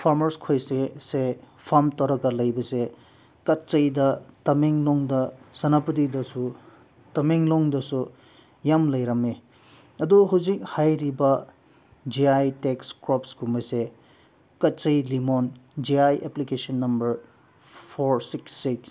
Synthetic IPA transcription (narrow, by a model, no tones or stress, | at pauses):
pʰaɾmɐɾskʰojsese | pʰamtɐwɾɐɡɐlɐjbɐse | kɐt̚t͡ʃɐjdɐtɐmeŋlɔŋdɐsɐnapɐdidɐsu | tɐmeŋlɔŋdɐsu | jamlɐjɾɐme | ɐduɦawzik̚hajɾibɐ | d͡ʒiajtekskɾɔpsɡumɐse | kɐt̚t͡ʃɐjlimond͡ʒiajʔeplikesɔnːɐmbɐɾ | pʰoɾsiksːiks